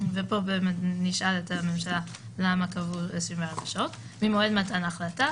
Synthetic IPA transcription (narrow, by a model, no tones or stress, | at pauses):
vepo̞bemetniʃaletame̞mʃala | lamakavuesimveʁeɡaʃo̞t | mimoedmatanaχlata